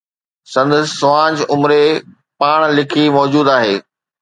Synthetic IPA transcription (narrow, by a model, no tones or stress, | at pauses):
sɐ̃nd̪əssːʊʋãːd͡ʑʊmɾe | paːɽ̃lɪkʰimɔːd͡ʑuːd̪aːɦeː